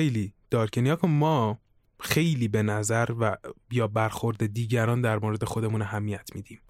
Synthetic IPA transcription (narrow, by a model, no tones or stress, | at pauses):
ejliːd̪̥ɒːɾcʰenijɒːkʰomɒː | xe̞jliːbe̞næzæɾvæjɒːbæɾxo̞ɾd̪ed̪iːɟæɾɒːnd̪æɾmoːɾe̞d̪e̞xo̞d̪e̞muːnæɦæmːiæt̪ʰmiːd̪iːm